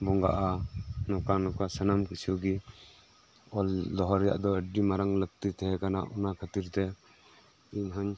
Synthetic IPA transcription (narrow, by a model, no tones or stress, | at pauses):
bɔŋɡa̰ʔanɔkanɔkasənamkɯsiɔɡi | ɔld̪ɔɦɔɾɛja̰ʔd̪ɔəɖimaɾaŋlək̚t̪it̪ʰɛɦɛkana̰ʔunakʰat̪iɾt̪ɛ | iɲɦaɲ